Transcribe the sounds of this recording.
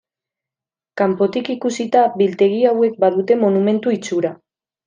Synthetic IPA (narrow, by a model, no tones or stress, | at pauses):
kampo̞t̪ikikusit̪aβilt̪e̞ɣ̞iawe̞k̚baðut̪e̞mo̞nume̞nt̪uit͡suɾa